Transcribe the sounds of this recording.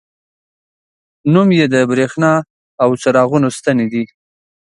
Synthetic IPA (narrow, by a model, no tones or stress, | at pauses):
numjed̪əbɾexnɑ | awt͡saɾɑɣunost̪aned̪i